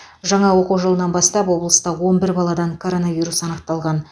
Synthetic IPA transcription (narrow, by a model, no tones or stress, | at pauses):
ʒɑɴɑwo̞quwʒəlˠənɑnbɑst̪ɑpwo̞blˠəst̪ɑwo̞nbɪɾbɑlˠɑd̪ɑŋkʰo̞ɾo̞navʲijɾusɑnəq̚t̪ɑlˠʁɑn